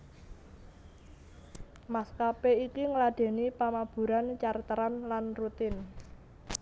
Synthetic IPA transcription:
maskapeikiŋəlaɖ̥e̤nipamab̥ṳɾant͡ʃart̪əɾanlanrut̪ɪn

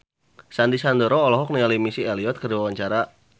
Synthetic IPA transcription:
sandisand̪əɾɔːlɔɦɔk̚nialimisieliɔt̪̚kəriwawaɲt͡ʃaɾa

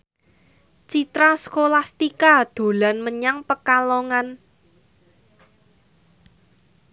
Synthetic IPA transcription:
t͡ʃit̪ɾasəkolast̪ikad̪̥o̤lanməɲaŋpəkaloŋan

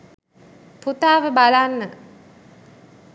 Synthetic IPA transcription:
put̪aːʋəbalanːə

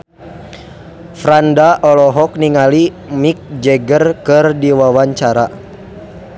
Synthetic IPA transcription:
fɾandaʔɔlɔɦɔk̚niŋali | mik̚d͡ʒɛɡərkɨrdiwawaɲt͡ʃaɾa

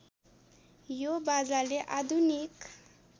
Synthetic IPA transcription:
jobad͡zaleʔad̪ʱunik

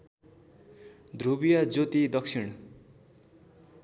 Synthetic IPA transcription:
d̪rubijad͡zot̪id̪ʌksʰiɽ̃

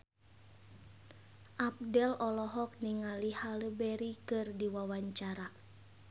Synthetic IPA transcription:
ʔap̚dɛlɔlɔɦɔk̚niŋalihaləbɛɾikɨrdiwawaɲt͡ʃaɾa

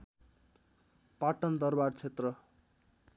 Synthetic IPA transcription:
paʈʌnd̪ʌrbart͡sʰet̪rʌ

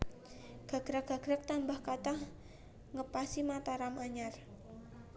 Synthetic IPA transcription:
ɡ̥a̤ɡ̥ɾaɡ̥a̤ɡ̥ɾak̚t̪ambahkat̪ah | ŋəpasimat̪aɾamʔaɲar

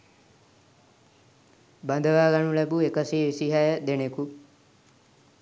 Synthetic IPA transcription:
band̪əʋaːɡaɳulɛbuekəsiʋisiɦajəd̪eneku

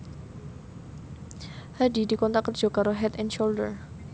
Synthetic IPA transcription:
hadidikɔnt̪akərd͡ʒ̥ɔkaɾoɦɛt̪ɛnʃoldər

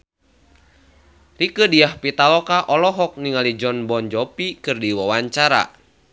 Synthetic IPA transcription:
rikədiahpit̪alɔkaʔɔlɔɦɔk̚niŋalid͡ʒɔnbɔnd͡ʒɔpikɨrdiwawaɲt͡ʃaɾa̰

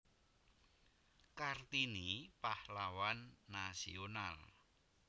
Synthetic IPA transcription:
kart̪inipahlawanːasiona̰l

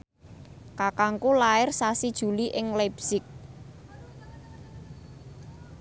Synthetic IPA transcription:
kakaŋkulaɪrsasid̥ʒ̥ṳliʔɪŋlebsɪk̚

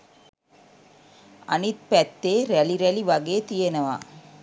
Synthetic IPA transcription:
ɐnit̪̚pɐt̪ːeːɾɐliɾɐliʋɐɣeːt̪ijɐnɐʋa̰ː

